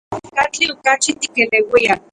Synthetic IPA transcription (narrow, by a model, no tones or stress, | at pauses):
kat͡ɬiokat͡ʃit̪i̥kelewia